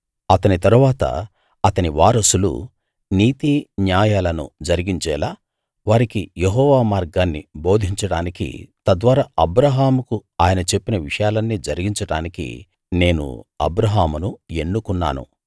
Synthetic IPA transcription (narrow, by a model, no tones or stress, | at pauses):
ɐt̪ɐnit̪ɐɾuʋaːt̪ɐ̰ | ɐt̪ɐniʋaːɾɐsulṵ | niːt̪iːnjaːjaːlɐnṵd͡ʒɐɾiɡiɲt͡ʃɛːlaː | ʋaːɾikijeɦɔːʋaːmaːɾɡaːnːḭbo̞ːd̪ʱiɲt͡ʃɐɽaːnikḭt̪ɐd̪ʋaːɾaːɐbɾɐɦaːmukuaːjɐnɐt͡ʃe̞pːinɐʋiʂɐjaːlɐnːiːd͡ʒɐɾiɡiɲt͡ʃɐɽaːnikḭ | ne̞ːnṵɐ̰bɾɐɦaːmunue̞nːukunːa̰ːnṵ